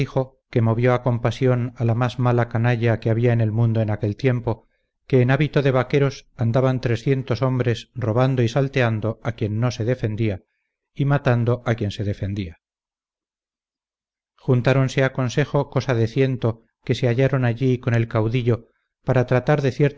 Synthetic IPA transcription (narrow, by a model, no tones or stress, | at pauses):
ixo̞ | ke̞mo̞βjo̞ako̞mpasjo̞nalamazmalakanaʎakeaβiaene̞lmũnd̪o̞enake̞lt̪je̞mpo̞ | ke̞ːnaβit̪oðe̞β̞ake̞ɾo̞sand̪aβant̪ɾe̞sθje̞nt̪o̞so̞mbɾe̞sro̞β̞and̪oisalt̪e̞and̪o̞akje̞nːo̞se̞ðe̞fe̞nd̪ia | imat̪and̪o̞ʔakje̞nseð̞e̞fe̞nd̪ia | xunt̪aɾo̞nseako̞nse̞xo̞ko̞saðe̞θje̞nt̪o̞ | ke̞se̞aʝaɾo̞naʎiko̞ne̞lkawðiʎo̞ | paɾat̪ɾat̪aɾðe̞θje̞ɾt̪